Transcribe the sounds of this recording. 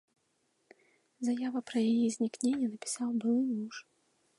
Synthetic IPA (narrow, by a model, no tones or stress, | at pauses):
zajavɐpɾɐjajizʲnʲiknʲenʲːɛnɐpʲi̥sawbɨlˠɨmuʂ